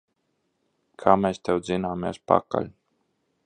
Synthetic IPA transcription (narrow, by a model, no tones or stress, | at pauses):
kʰaːmɛːst̪ɛwzinaːmɛ̰spa̰ka̰lʲ